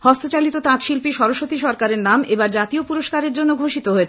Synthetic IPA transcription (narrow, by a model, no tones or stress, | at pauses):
hɔst̪ot͡ɕalit̪ot̪ãt̪ʃilpiʃɔɾoʃot̪iʃɔɾkaɾeɾnamebaɾd͡ʑat̪iopuɾoʃkaɾeɾd͡ʑonːoɡʱoʃit̪oɦoet͡ɕʰe